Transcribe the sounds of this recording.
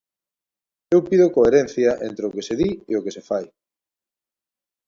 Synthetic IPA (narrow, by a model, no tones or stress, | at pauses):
ewpiðokoeɾen̟θjɐʔent̪ɾeokeseðieokesefaj